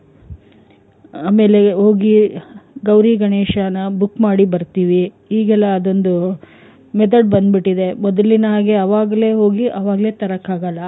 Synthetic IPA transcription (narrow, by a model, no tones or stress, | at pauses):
aːme̞ːle̞ɦoːɡiɡɐwɾiːɡɐɳeːʃaːnɐbukːmaːɽibɐɾt̪iːʋi | iːɡɛlːɐːd̪o̞nd̪u | mɛt̪̬ʰɐɖbɐnd̪biʈːid̪e̞mɔd̪ɐlinɐɦaːɡeɐʋaːɡle̞ːɦo̞ːɡiʔɐʋaːɡle̞ːt̪ɐɾɐkːaːɡɐlːɐ